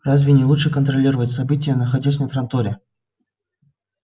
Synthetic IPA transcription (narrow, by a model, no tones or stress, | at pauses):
razʲvʲɪnʲɪlˠuʂɨkənt̪ɾɐlʲiɾəvətʲsɐbɨtʲɪjənəxɐdʲas̬ʲnʲət̪ɾɐnt̪oɾʲɪ